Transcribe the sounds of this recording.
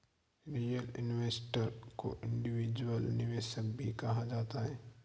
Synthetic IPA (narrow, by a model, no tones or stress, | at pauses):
ɾiːjəlɪnʋeːsʈəɾko̰ʔɪ̃ɳɖɪʋiːd͡ʒwəlnɪʋeːʃək̚bʱikɐɦad͡ʒaːt̪aɦɛː